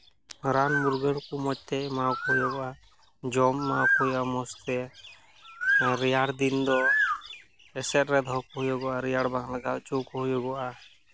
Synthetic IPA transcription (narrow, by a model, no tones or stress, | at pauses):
ɾanmuɾɡəɽkumɔt͡ʃ̚t̪ɛmawkɔɦujɔɡɔa | d͡ʒɔmːawkɔjamɔst̪ɛ | ɾijaɽd̪ind̪ɔ | ɛsɛt̪̚ɾɛd̪ʱɔkɔɦujɔɡɔaɾijaɽbaŋlaɡawt͡ʃukɔɦujɔɡɔʔa